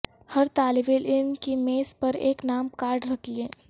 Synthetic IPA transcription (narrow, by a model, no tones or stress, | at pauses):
həɾt̪aːlɪbelʔɪmkimeːspəɾeːknaːmkaːɾɖɾəkʰieː